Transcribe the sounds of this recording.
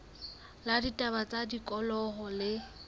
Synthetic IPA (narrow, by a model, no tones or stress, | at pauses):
laditʼabat͡sʼadikʼɔlɔɦɔlɪ